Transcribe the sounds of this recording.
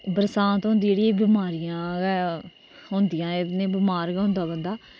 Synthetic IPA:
bəɾsãːt̪ɦõːnd̪id͡ʒeːɽijãːbɪmaːɾijãː | ɦõːnd̪ijãːɪnẽːbɪmaːɾkɛɦʊ̃nd̪aːbənd̪aː

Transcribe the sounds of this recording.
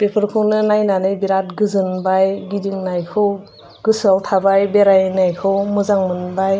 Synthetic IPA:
pepʰɯɾkʰɯwnɯnajnanɯjbiɾat̚ɡɯzɯnbajɡidiŋnajkʰɯw | ɡ̥ɯsaltʰabajbeɾajnajkʰɯwmɯzaŋmɯnbaj

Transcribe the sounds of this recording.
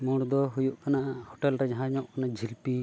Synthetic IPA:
muɽd̪ɔɦujuʔkanaʔhɔʈɛlɾɛd͡ʒaɦãɲɔʔkanad͡ʒʱilpi

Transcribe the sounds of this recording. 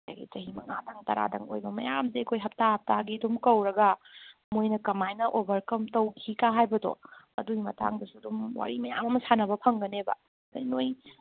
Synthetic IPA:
a̰jɡḭt͡ʃɐɦimɐŋadɐŋtɐ̰ɾa̰dɐŋo̰jbɐmɐ̰jamzekʰojɦɐp̚tahɐp̚taɡidumkɐwɾɐɡɐmojnɐkɐmajnɐʔobʱɐɾkɐmtɐwkʰikaɦajbɐdo̰ | ɐ̰duimɐ̰ta̰ŋdɐsudumwa̰ɾimɐja̰mɐmɐsanɐbɐpʰɐŋɡɐnebɐ̰ | jnoj

